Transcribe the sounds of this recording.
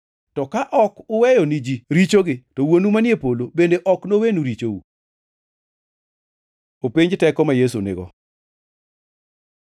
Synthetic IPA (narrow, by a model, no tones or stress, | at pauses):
tɔkaʔɔkʊwɛjɔnid͡ʒiɾit͡ʃoɡɪtɔwonumanjepolobendeʔɔknowenuɾit͡ʃowṵ | opiɲd͡ʒtɛkɔmajesṵnɪ̰ɡɔ̰